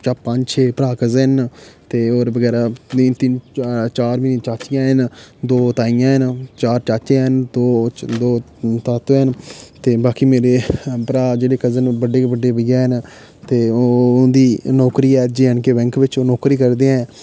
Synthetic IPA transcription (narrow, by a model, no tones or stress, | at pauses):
t͡ʃəppə̃ɲd͡ʒt͡ʃʰeːpəɾaːkəznt̪eːoːɾbəɡɛːɾaːiːnt̪ɪnt͡ʃaːɾmɪːĩt͡ʃaːt͡ʃɪjãːɦənd̪oːt̪aːɪjãːɦənt͡ʃaːɾt͡ʃaːt͡ʃẽɦənd̪oːd̪oː | t̪aːt̪oːɛnt̪eːbaːkiːmeːɾeːpəɾaːd͡ʒeːɽeːkəzənbəɖeːbəɖːeːbəjãːɦən | t̪eːõːd̪iːnɔːkɾiːɛːd͡ʒeːənkeːbɛ̃ŋkʋɪt͡ʃoːnɔːkɾiːkəɾd̪ẽːɛ̃ː